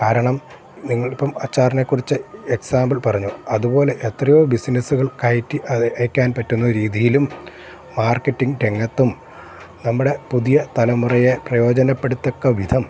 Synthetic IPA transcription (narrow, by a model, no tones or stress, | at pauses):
kaːɾɐɳɐm | niŋːɐɭipːɐmɐt͡ɕːaːrnekːurit͡ɕːɨeksaːmbɐlpɐrɐɲːuɐðubo̞ːle̞ʔet̪rɐjoːbisinɐsuɣɐɭkɐjtːiɐjkʲːaːnpɐtːunːɐɾiːðijilumː | aːrkːɐtːiŋɡʈe̞ŋːɐt̪ːum | nɐmːuɽe̞puðijɐt̪ɐlɐmurɐjeprɐjo̞ːd͡ʑɐnɐpːe̞ɽut̪ːo̞kːɐʋid̪ʱɐm